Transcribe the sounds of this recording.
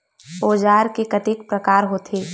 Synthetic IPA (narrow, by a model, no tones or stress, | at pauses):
oːd͡ʒaːɾkekət̪ikpɾəkaːɾɦoːt̪ʰeː